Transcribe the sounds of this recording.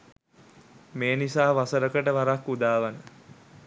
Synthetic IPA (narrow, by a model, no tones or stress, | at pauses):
meːnisaːʋasəɾəkəʈəʋaɾakːud̪aːʋənə